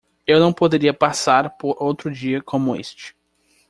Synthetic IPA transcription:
ewnɐ̃w̃pod̪eɾiɐpasaɾpoɾʔowt̪ɾʊd͡ʒiɐkʰõmʊḛst͡ʃɪ̥

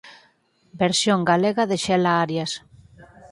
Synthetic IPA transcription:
beɾsjoŋɡaleɣaðeʃɛlaaɾjas

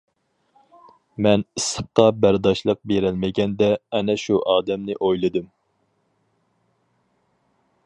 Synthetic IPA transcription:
mɛnisɨp̚qɑbæɾd̪ɑʃlˠəq̚beɾælmɪɡʲɛnd̪ɛːnɛʃuʔɑːd̪ɛmnɪʔojlˠɨd̪ɨm

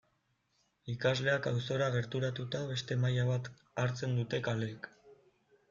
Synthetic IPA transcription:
ikazle̞akawso̞ɾaɣe̞ɾt̪uɾat̪ut̪aβe̞st̪e̞majaβat̪ | aɾt͡se̞nd̪ut̪e̞kalek

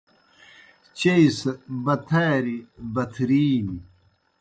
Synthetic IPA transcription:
t͡ɕeisbɐt̪ʰaːɾibɐt̪ʰɾiːni

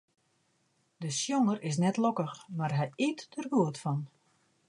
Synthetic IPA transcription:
dəsjoŋərɪs̬nɛtlokəxmarɦɛjitdərʋuətfɔn

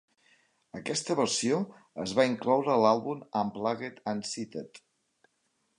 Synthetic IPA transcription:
əkɛst̪əβəɾsio | əzβaiŋklɔwɾəlalˠβuməmplaɣet̪ənsit̪ət̪

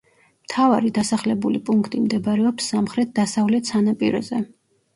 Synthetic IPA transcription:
mt̪ʰavaɾid̪asaχlɛbulipʼuŋkʰt̪ʼimd̪ɛbaɾɛɔpsːamχɾɛt̪̚ʰd̪asavlɛt̪sanapʼiɾɔ̰zɛ

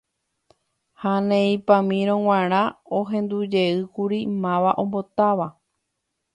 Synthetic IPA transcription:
hanẽĩpãmĩɾ̃õw̃ãɾ̃ãoɦẽ̞nd̪ud͡ʒe̞ɨkuɾimãʋaʔõ̞mbo̞t̪aʋa

